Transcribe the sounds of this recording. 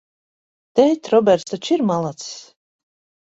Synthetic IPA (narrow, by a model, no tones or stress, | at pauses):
t̪ɛjt̪ʲɾɔbʲɛɾt̪st̪at͡ʃiɾmalˠat̪s